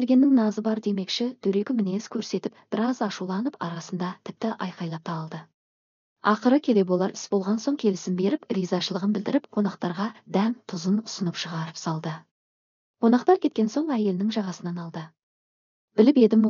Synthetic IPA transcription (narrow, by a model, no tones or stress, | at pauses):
eɾɡʲe̞nːɪŋnɑzəbɑɾd̪e̞me̞kʃɪd̪ʰɵɾe̞ɡʲɪmɪne̞skʲʰɵɾse̞t̪ɪp̚b̥ɪɾɑzɑʃulˠɑnəpɑ̰ɾɑsənd̪ɑt̪ʰɪp̚t̪ɪʔɑjqɑjlˠɑp̚t̪ʰɑlˠd̪ə | ɑqəɾəkʲʰe̞le̞bo̞lˠɑɾpɪ̥sbo̞lˠʁɑnso̞ŋkʲʰe̞lɪsɪmbe̞ɾɪprijzɑʃəlˠəʁənbɪld̪ɪɾɪp̚qʰo̞nɑq̚t̪ɑɾʁɑd̪æmt̪ʰʊzənʊsənəpʃəʁɑɾəpsɑlˠd̪ə | qʰo̞nɑqt̪ɑɾkʲʰe̞t̪kʲe̞nso̞ɴæje̞lɪnɪŋʒɑʁɑsənɑnɑlˠd̪ə | bɪlɪpe̞d̪ɪm